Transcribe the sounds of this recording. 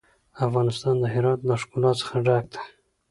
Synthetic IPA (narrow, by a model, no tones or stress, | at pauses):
afɣɑnɪst̪ɑnd̪əɦɪɾɑt̪ləʂkulɑt̪sə̥xaɖɑk̚d̪ḁ